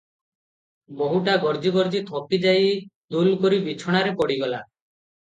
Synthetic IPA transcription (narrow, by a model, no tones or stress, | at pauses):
boɦuʈaɡɔɾd͡ʒiɡɔɾd͡ʒit̪ʰɔpid͡ʒajd̪ulkoɾibit͡ʃʰɔɽ̃aɾepɔɽiɡɔla